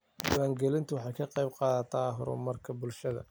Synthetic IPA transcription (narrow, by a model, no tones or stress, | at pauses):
ɡʊwaːŋɡɛlɪnt̪ʰʊwɑħɑjkʰɐqɑjbqɑːðɐt̪ʰaɦʊ̰ɾʊ̰mɐrkʰɐbʊlʃɐðɐ̰